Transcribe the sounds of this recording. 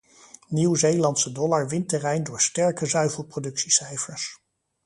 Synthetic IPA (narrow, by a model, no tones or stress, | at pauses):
niwzejlɑntsədɔlɑɹʋɪntɛrɛjndʊːɹstɛɹkəzœɥvəlˠprodɵksisɛjfəɹs